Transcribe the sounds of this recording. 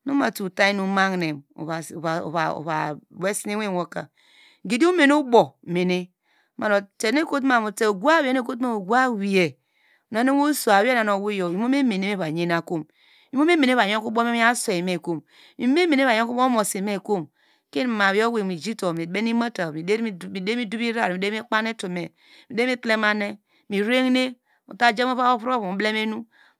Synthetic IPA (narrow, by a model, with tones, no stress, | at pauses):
no˦ma˨tu˨ta˦i˦nu˦ma˦ŋne˨mo̰˨a˨a˨o̰˨βo̰˨βa˨be˦si˦e˦we˦˨o˦ka̰˨˦ | ɡe˨di˦o˦me˨nu˦bo˨me˨ne˦ | ma˨no˨t͡ʃe˨ne˦ko˦t̬ma˨mo˨te˦o˨ɡu˦a˦we˦ne˦ko˦ma˦˨o˨ɡu˦a˦wi˨e˨ | na˨˦ne˦o˦so˨a˨we˦na˨no˨wu˦jo˨i˨mo˦me˦me˨ne˦me˦βa˨ɲe˦na˨ko˦m | i˨˦m˦o˦me˦me˨˦e˦a˨jo˦ŋku˦bo˦me˦mi˦a˦se˨i˨me˨ko˦m | mi˨˦me˦me˨ne˦βa˨jo˦ku˦bo˦mo˨si˨me˦˨ko˦m | ke˦n˨ma˨wi˨˦o˦we˨mi˨d͡ʒi˦to˨mi˨be˦ni˦ma˦ta˨mi˨e˦i˨de˦mi˦du˦bi˦ɾa˦˨ɾi˨e˦i˦k͡pa˦ne˦to˨me˨ | mi˨de˦i˦tle˦ma˦ne˦ | mi˨ɾe˦ŋne˦ | ṵ˨ta˦d͡ʒe˦mo˦pa˦o˦pɾo˦bble˦me˦nu˦